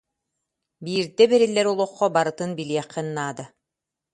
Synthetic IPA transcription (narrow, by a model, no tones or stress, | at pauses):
biːɾd̪ɛbɛɾilːɛɾulˠuqːɔbaɾɯt̪ɯnbiliɛqːɛnːaːd̪a